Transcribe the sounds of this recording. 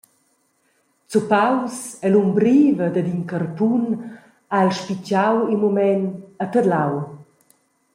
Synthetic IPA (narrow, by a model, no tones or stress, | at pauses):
t͡supawsɛlumbɾiːvəd̪əd̪inkərpun | aɛlʃpit͡ʃawimumɛnət̪əd̪law